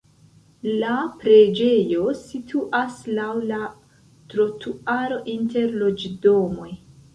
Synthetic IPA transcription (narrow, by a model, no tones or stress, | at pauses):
lapɾe̞d͡ʒe̞jo̞sitʰuʔaslawla | tɾo̞tʰuaɾo̞ʔinte̞ɾlo̞d͡ʒdo̞mo̞j